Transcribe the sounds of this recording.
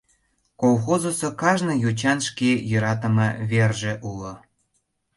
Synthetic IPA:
kolxozosokɑʒnɤ̆jut͡ɕɑnʃkejø̆ɾɑt̪̬ə̆mɤβerʒĕʔulŏ

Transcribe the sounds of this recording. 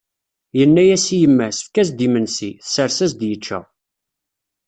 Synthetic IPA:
jənːæjæsijəmːæsə̥fkæs̬d̪imənsiθəsəɾsæzd̪jət͡ʃːæ̰

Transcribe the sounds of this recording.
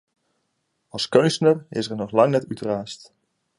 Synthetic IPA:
ɑlˠskɵnstənərɪ̰səɹnɔχlɑŋnɛtytraːst

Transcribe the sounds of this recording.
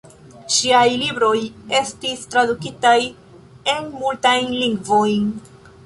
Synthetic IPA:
ʃiajlibɾo̞je̞stistɾadukitaj | e̞nmultajnliŋɡvo̞jn

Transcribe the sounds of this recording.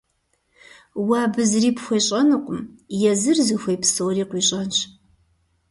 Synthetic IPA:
waːbɨzriːpxʷeɕʼɐnɨqʷʼʊmjɛzɨrzɨxʷejpsowriːqʷiːɕʼɐnt͡ʃʰ

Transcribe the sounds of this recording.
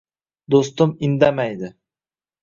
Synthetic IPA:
d̪ost̪ʊmɪnd̪amajd̪ɪ

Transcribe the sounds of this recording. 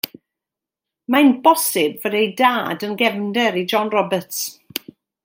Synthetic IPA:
majnbɔsɪbvədejdaːdənɡɛvndɛɾid͡ʒɔnrɔbəts

